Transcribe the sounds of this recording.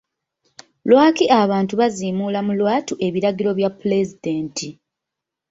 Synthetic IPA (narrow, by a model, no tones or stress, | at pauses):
lwaːkiʔaβaːntuβaziːmuːlamulwaːtuʔe̞βiɾaɡiɾo̞βjapːule̞zide̞ːntʰi